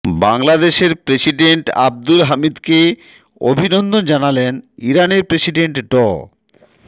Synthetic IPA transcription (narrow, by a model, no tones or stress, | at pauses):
baŋlad̪eʃeɾpɾesiɖeɳʈa̰b̚d̪ulɦamid̪ke | o̰bʱinond̪ond͡ʑanaleniɾaneɾpɾesiɖeɳʈɖɔ